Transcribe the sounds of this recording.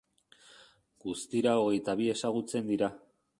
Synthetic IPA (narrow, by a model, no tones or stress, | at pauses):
ɡ̥ust̪iɾao̞ɣe̞jt̪aβ̞ie̞saɣut͡se̞nd̪iɾa